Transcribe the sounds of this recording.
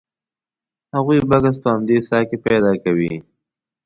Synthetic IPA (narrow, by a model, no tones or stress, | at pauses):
haɣujbakas̬pəhamd̪esɑkepajd̪ɑkawi